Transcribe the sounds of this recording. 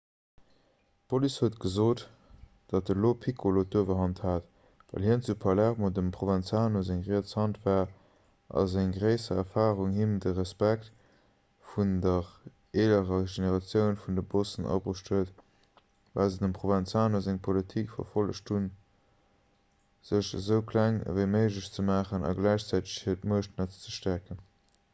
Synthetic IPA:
pʰolishətɡəzoːt | d̥ɑt̚dəloːpʰikʰolotuəvəɦɑnthaːt | væ̰lɦiənt͡supʰɑlæʁmodəmpχovænt͡saːnozæŋʁiːəshɑntvaːʁ | ʔɑ̰zæŋɡʁəɪsɐɛɐfaːʁuŋhimtəʁəspækt | fundəʁ | eːləʁəʒeneʁɑt͡sjəʊnfundəbosənɑ̰bʁəʃtʰhuət | va̰lzədəmpχovænt͡saːnozæŋpʰolitʰikfɐ̰fɑləʃtʰhun | z̥əʃzəʊkʰlæŋvəɪməɪʒləɕt͡səmaːχənɑ̰ɡlæɪɕt͡sæɪtə̥ʃhiətmuəəʃtnɑt͡sə̥t͡səʃtækən

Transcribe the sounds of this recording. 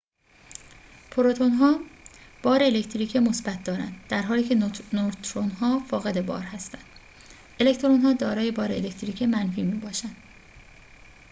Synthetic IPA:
pʰoɾot̪ʰonɦɒːb̥ɒːɾeːlecʰt̪ʰɾiːcʰemo̞sbæt̪̚ʰd̪̥ɒːɾæ̰nd̪̥d̪̥æɾɦɒːliːcʰe̞not̪ʰɾonhɒːfɒːɣe̞d̪e̞bɒ̰ːɾhæst̪ænd̪̥ | e̞lekt̪ʰɾonɦɒːd̪ɒːɾɒːje̞bɒːɾeːlect̪ʰɾiːcʰemænfiːmiːbɒːʃænd̪̥

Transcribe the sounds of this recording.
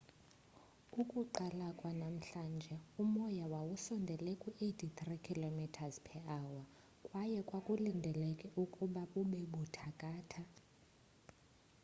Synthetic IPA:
ukʼuǃalakʼwanam̩ɬand͡ʒʱɛumɔjawawusɔndʱɛlɛkʼuʔetʰit̪rikʰilomitʰazpʰɛawa | kʼwajɛkʼwakʼulindʱɛlɛkʼɛukʼuɓaɓuɓɛɓutʰakʼaːtʰa

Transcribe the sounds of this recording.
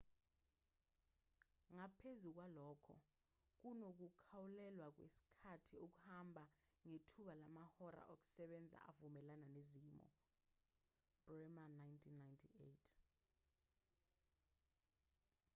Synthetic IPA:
ŋapʰezuk̬walɔːkʰɔ̰ | k̬unok̬ukʰawulɛlwak̬wḛsi̥kʰatʰiok̬ʼuhambʱaŋetʰuɓalamahɔɾa̰ʔok̬ʼu̥sɛɓɛnd͡zʱa̰ʔavumɛlananeziːmɔ̰ | b̥rɛmanajntʰinːajntʰietʰ

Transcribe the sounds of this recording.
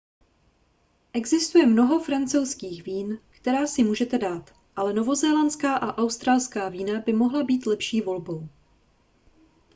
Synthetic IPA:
ʔɛɡzɪst̪ujɛmno̞ɦo̞fɾant͡sowskiːxviːnkt̪ɛɾaːsɪmuːʒɛt̪ɛdaːt̪ | ʔalɛno̞vo̞zɛːlant͡skaːʔaʔawst̪ɾalskaːviːnabɪmo̞ɦlabiːt̪lɛpʃiːvo̞lbo̞w

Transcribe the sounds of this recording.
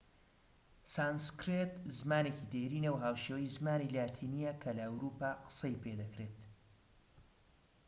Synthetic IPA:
saːnskɾet̪zmaːnecid̪eɾiːnewɦaːwʃeːwjzmaːnilaːt̪ʰiːnijɐkʰɐlɐɐwɾuːpaːqɨ̥sɐjpʰed̪ɐkɾeːt̪

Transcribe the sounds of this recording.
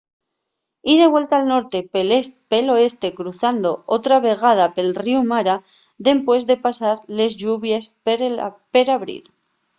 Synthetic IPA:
ið̞e̞βwe̞lt̪alno̞ɾt̪e̞pelo̞e̞st̪e̞kɾuθand̪o̞ot̪ɾaβe̞ɣ̞að̞ape̞lriumaɾa | ðe̞mpwe̞zðe̞pasaɾle̞zʝuβjes | pe̞ɾaβɾḭɾ

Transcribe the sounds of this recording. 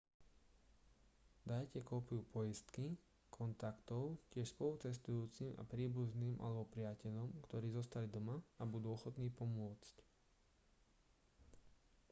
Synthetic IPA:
d̪ajcɛkɔːpiupʰɔjist̪ki | kʰɔnt̪akt̪ɔʊcɪɛʃspɔlut͡sɛst̪ujuːt͡sima̰pɾiːbuzniːmʔa̰lɛbɔpɾɪacɛʎɔmkt̪ɔɾiːzɔst̪alid̪ɔmaabud̪uːɔxɔt̪niːpɔmʊɔt͡sc

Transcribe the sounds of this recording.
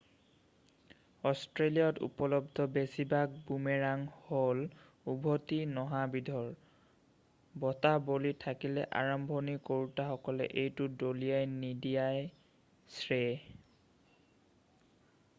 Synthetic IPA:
ɔstɹeliɔtṵpɔlɔb̚d̪ʱɔbesibak̚bumɛɹaŋhol | ubʱotinɔɦabidʱɔɹ | bɔtabolitʰakilɛʔa̰ɹɔmbʱɔnikoɹutaxɔkɔlɛ̰ʔejtʊdolijajnidijaj | sɹe

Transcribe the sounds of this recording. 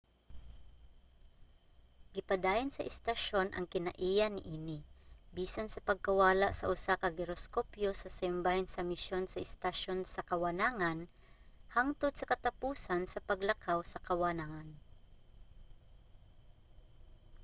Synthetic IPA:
ɡɪpɐd̪aːjansɐʔɪst̪ɐʃo̞nʔɐ̰ŋkɪnɐ̰ʔiːjanɪʔiːnɪbiːsansɐpɐɡ̚kɐwaːlaʔsɐ̰ʔʊsakɐɡɛɾoskopjosɐsɪmbahɛnsɐmɪʃonsɐʔɛst̪aʃonsɐkɐwɐnaŋan | haŋt̪ʊd̪̚sɐkɐt̪ɐpuːsansɐpɐɡlɐkʰawsɐkɐwanaŋan

